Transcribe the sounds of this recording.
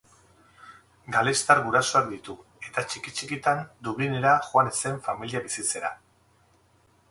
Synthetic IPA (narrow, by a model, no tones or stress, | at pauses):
ɡalest̪aɾɣuɾaso̞ak̚d̪it̪u | e̞t̪at͡ʃikit͡ʃikit̪and̪uβine̞ɾaxoane̞se̞ɱfamiliaβisit͡se̞ɾa̰